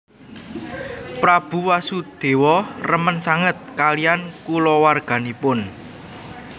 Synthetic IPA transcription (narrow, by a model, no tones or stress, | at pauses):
pɾab̥ṳwasud̪̥e̤wɔrəmənsaŋət̪̚kalijankulɔwarɡ̥a̤nipʊn